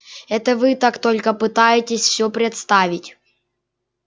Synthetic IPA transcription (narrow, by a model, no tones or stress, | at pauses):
ɛt̪əvɨt̪akt̪olʲkəpɨt̪ajɪtʲɪsʲfsʲɵpɾʲɪt̪st̪avʲɪtʲ